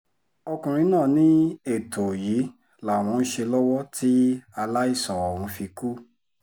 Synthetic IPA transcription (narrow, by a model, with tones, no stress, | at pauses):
ɔ˧kũ˨ɾ̃ĩ˧˦nãː˦˨nĩ˦e˦˨tʰo˨ji˨˦ | la˨w̃ɔ̃˧n̩˦ʃe˧lɔ˦wɔ˦ti˦a˧la˦i˦˨sɔ˨ɔ˨ɾũ˧fi˧ku˦